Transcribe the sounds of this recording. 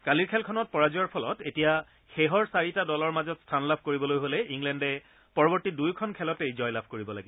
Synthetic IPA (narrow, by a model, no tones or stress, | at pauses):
kaliɹkʰɛlkʰɔnɔt̚pɔɹaziɔɹpʰɔlɔtetija | xɛɦɔɹsaɹitadɔlɔɹmazɔtstʰanlabʱkoɹibɔlojɦolɛʔiŋlɛndɛ | pɔɹɔbɔɹtidujkʰɔnkʰɛlɔtejzɔjlabʱkoɹibɔlaɡi